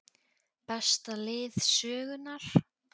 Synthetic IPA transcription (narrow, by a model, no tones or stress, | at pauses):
pɛst̪alɪːðsœːɣʏnaɾ̥